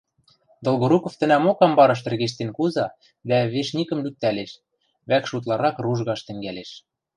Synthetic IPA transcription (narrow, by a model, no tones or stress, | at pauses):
d̪ŏlɣŏɾukŏft̪ɘ̆næmokɑmbɑɾɤ̆ʃ̬t̪ɘ̆rɣeʃ̬t̪enkuzɑ | d̪æβeʃnʲikə̆mlyk̚t̪ːæleʃ | βækʃut̪lˠɑɾɑkruʒɣɑʃt̪ɘ̆ŋɡæleʃ